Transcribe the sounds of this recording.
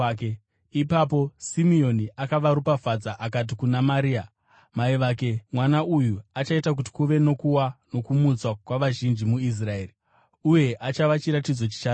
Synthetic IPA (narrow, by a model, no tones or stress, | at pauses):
ke | ipapo̞simio̞niakaʋaɾupafad͡zaʔakat̬ikunamaɾiːa | maiʋake̞mwanaujuat͡ʃaitak̬uti̥kuʋe̞no̞kuwano̞kumut͡swakwaʋaʒind͡ʒimuis̬raeːri | uje̞ʔat͡ʃaʋat͡ʃiɾatid͡zo̞t͡ʃi̥t͡ʃaː